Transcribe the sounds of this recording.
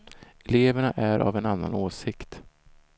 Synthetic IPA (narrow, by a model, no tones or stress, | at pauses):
ɛleːvəɳaʔæɾʔa̰vɛnanːa̰noːsɪkt̪